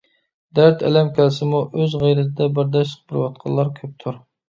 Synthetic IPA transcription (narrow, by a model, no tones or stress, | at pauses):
d̪æɾt̪ʰɛ̰lɛmkʲʰɛlsɪmuʔøzʁæjɾɛt̪ʰɪd̪ɛbəɾd̪ɛʃt̪ʰə̥q̚bəɾwɑt̪̚qʰɑ̰lːˠɑɾkʲʰøp̚t̪ʰuɾ